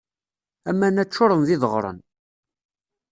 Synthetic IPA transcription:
æmːænæt͡ʃːʊɾˤənðɪðəʁɾˤə̰n

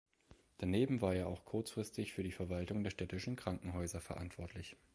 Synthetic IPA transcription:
d̥aneːbm̩vaːɐeːɐaʊxkʰʊɐt͡sfʁ̥ɪstɪçfyːɐdiːfɛɐvaltʊŋdeːɐʃtɛtɪʃn̩kʁ̥aŋkŋ̩ɦɔʏzɐfɛɐʔa̰ntv̥ɔɐtʰlɪç

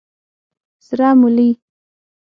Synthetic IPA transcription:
sɾamuli

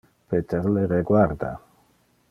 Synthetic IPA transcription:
pet̪eɾleɾeɡwaɾd̪a̰

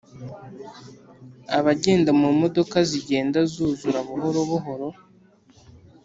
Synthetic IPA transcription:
aβaɟe̞ːndamumo̞do̞kaziɟe̞ːndazuːzuɾaβuɦo̞ɾoβuɦo̞ɾo̞

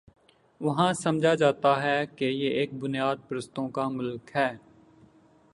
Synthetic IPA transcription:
ʋɐɦãsɐmd͡ʒʱad͡ʒaːt̪aɦɛkejeʔeːk̚bʊnijaːd̪̚pɾəst̪õkamʊlkɦɛː

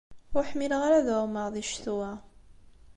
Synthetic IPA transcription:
ʊɾħmilʁaɾaðəʁməʁðiʃθuwæ

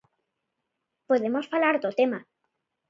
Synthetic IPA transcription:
poðemosfalaɾt̪ot̪ema

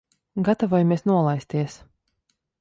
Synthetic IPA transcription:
ɡat̪avɔjmiɛsnuɔlˠajst̪iɛs

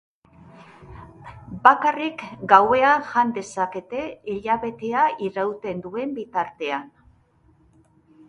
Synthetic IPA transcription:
bakarikɡawe̞aʝand̪e̞sake̞t̪e̞iʎaβe̞t̪e̞aʔiɾawt̪e̞nd̪ue̞mbit̪aɾt̪e̞an

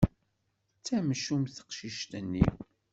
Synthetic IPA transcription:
t͡sːæmʃumθə̥qʃiʃt̪ənːḭ

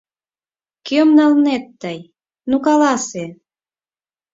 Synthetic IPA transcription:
kømnɑlnet̪ːəj | nukɑlɑse

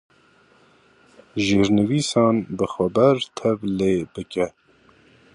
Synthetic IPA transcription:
ʒeːɾnɨviːsɑːnbɨxɛbɛɾt̪ʰɛvleːbɨkɛ

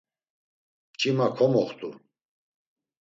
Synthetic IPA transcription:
t͡ʃʰʼimakʰɔmɔχt̪ʼu

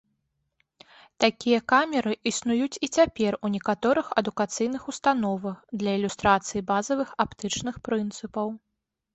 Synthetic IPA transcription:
t̪akʲijɐkamʲɛɾɨʔisnujut͡sʲit͡sʲapʲɛrunʲɛkat̪ɔɾɨxɐd̪ukat̪sɨjn̪ɨxust̪anɔvɐxd̪lʲɐilʲust̪ɾat̪sɨjibazɐvɨxapt̪ɨt͡ʂn̪ɨxpɾɨnt̪sɨpɐw

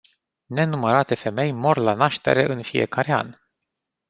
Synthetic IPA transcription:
ne̞numəɾat̪e̞fe̞me̞jmo̞rlanaʃt̪e̞̰ɾe̞̰ʔɨnfije̞̰kaɾea̰n

